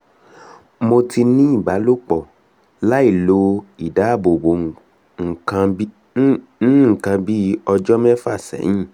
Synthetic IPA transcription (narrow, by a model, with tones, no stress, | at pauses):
mo˧tʰi˧nĩ˦i˦˨ɡ͡ba˨˦lo˦k͡pɔ˨ | la˦i˦˨lo˨˦i˨da˨˦˨bo˨bo˨˦˨ | ŋ̩˨kã˧˦ | ñ̩˦ŋ̩˨kã˧bi˦ɔ˧d͡ʒɔ˦mɛ˦fa˦˨sɛ̰˨˦jĩ˦˨